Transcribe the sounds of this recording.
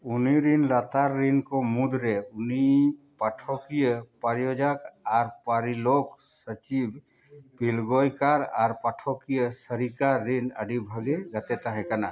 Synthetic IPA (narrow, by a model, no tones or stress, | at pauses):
uniɾinlat̪aɾːinkɔmud̪ʱɾɛʊni | paʈʰɔkijəpəɾjod͡ʒakaɾpəɾilok | sət͡ʃib | pilɡɔjkaɾaɾpaʈʰɔkijəsəɾikaɾːinə̰ɖibʱəɡeɡət̪ɛt̪aɦɛ̃kana